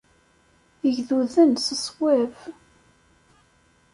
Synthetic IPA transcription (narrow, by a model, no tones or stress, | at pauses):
əʝðuðənsəsˤwæv